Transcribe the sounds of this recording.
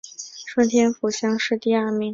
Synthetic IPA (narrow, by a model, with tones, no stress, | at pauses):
ʂwə˥˩nt̪ʰjɛ˥nfu˨˩ɕjɑ˥ŋʂɻ̩˥˧t̪i˥˧a˥˩mi˧˩˥ŋ